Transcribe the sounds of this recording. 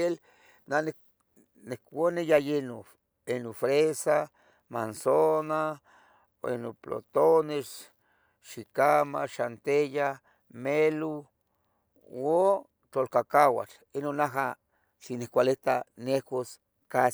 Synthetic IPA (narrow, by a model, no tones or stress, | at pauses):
el | nane | nekonejajeno | enofɾesa | mansona | ḛnoplo̰t̪ones | ʃikamaʃant̪eja | melu | o | t̪olkakawa̰t͡ɬ | enonaɦa | ʃinekʷalet̪anekos | kas